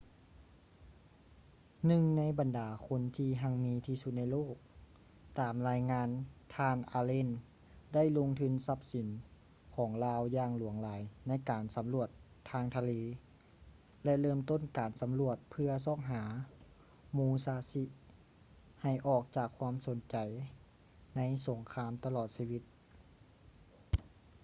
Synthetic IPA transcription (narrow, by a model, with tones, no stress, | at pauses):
nɯ˧ŋna˧˥jba˨ndaː˨˩kʰo˧˥nt̪ʰiː˧ɦa˧ŋmiː˧t̪ʰiː˧su˧˦t̪̚na˧jloː˥˩k̚ | t̪aː˨˩mlaː˧˥jŋaː˧˥nt̪ʰaː˧nʔaː˧le˧˥˨n | da˥˩˨jlo˧ŋt̪ʰɯ˧˥˨nsa˧˥p̚si˨˦n | kʰɔː˩˦ŋlaː˧wjaː˧ŋlu˨˩˦əŋlaː˨˦jna˧˥˩jkaː˨˩nsa˨˦mlu˧˩ət̪ʰːaː˧ŋt̪ʰa˧leː˧ | lɛ˧lɤː˥˩˨mt̪o˥˨nkaː˨˩nsa˨˦mlu˧˩ət̪̚pʰɯ˧ɐsɔː˧˥˩ŋɦaː˩˦ | muː˧saː˧˦si˧ | ha˨˩jʔɔː˨˩k̚t͡ɕaː˨˩kʰːwaː˧˥mso˨˦nt͡ɕa˨˩j | na˧˥jso˨˩˦ŋkʰaː˧˥mt̪a˧lɔː˨˩t̪̚siː˧ʋi˧˦t̪̚